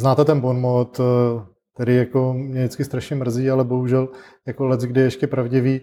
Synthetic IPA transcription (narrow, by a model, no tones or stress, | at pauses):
znaːt̪ɛt̪ɛnbonmot̪ | t̪ːɛɾɪjakomɲɛdɪt͡skɪst̪ɾaʃɲɛmr̩ziːalɛbo̞ɦuʒɛl | jakolɛt͡sɡdɪɛɛʃcɛpɾavɟɪviː